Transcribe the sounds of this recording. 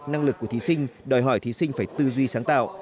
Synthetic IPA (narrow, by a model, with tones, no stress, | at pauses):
na˧ŋlɨ˨˩kːu˧˩ət̪ʰi˨˦sï˧ŋ̟ɗɔ˨˩jɦɔ˧˩jt̪ʰi˨˦sï˧ŋ̟faː˧˩jt̪ɨ˧zwi˧saː˨˦ŋt̪a̰ː˧˨wʔ